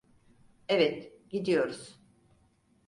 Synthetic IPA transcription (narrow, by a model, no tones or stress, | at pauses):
ɛvɛt̪ɟid̪ijo̞ɾuz̥